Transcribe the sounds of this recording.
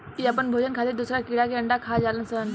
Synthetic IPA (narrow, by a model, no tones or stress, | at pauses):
k̪iːapəɳbʱod͡ʑənkʰat̪iːɾd̪usɾakiɽakeəɳɖakʰad͡zalənsən